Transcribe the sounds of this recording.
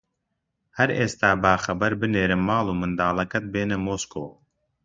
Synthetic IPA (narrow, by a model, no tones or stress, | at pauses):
hɐɾeːst̪aːbaːxɐbɐɾbɨneːɾɨmːaːlˠuːmɨnd̪aːlˠɐkɐt̪̚beːnɐmoːskoː